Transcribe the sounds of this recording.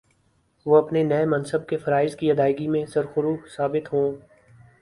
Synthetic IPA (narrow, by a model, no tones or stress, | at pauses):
ʋoɐpnenɛemɐ̃nsəb̚kefɐɾaːɪzkiɐd̪aːɪɡimẽsɐɾxʊɾuːsaːbɪt̪ɦõː